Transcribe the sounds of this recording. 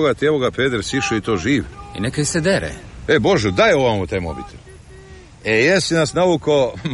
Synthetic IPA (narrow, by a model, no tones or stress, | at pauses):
oɡat̪ijeʋoɡapeːd̪ɾsiʃoit̪oːʒiːʋḭnekaised̪eɾḛebo̞ʒɛd̪ajeoʋamot̪ajmo̰bit̪ʰel | ejesinasnauko